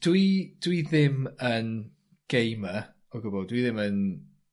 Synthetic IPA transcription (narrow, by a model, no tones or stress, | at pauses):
d̥wid̥wiðɪmən | ɡ̥ejmə | ɔɡʊbɔdwiðɪmən